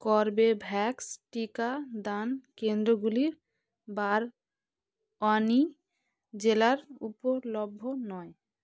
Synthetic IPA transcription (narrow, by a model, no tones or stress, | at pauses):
kɔɾbebʱɛksʈikad̪ankend̪ɾoɡuliɾ | baɾ | ɔni | d͡ʑelaɾupolobʱːonɔe